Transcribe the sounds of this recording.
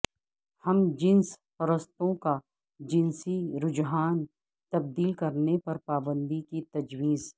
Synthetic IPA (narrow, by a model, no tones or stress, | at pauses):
hɐmd͡ʒɪ̃nspɐɾəst̪õka | d͡ʒɪ̃nsiɾʊd͡ʒɦaːn | t̪ɐb̚d̪iːlkɐɾnepɐɾpaːbə̃nd̪ikit̪ɐd͡ʒwiːz